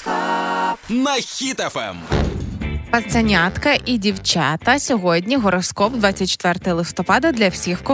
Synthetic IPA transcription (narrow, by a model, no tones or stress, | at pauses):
nɐxʲit̪ɛfɛ̰m | pɐtt̪sɐnʲat̪kɐʔidʲiwt͡ʃɑt̪ɐsʲɔɦɔdʲnʲiɦɔɾɔskɔbd̪ʋat͡sʲːɐt̚ʲt͡ʃːe̥t̪ʋɛrt̪ɐjlˠɪst̪ɔpɑd̪ɐd̪lʲɐwsʲixwkɔ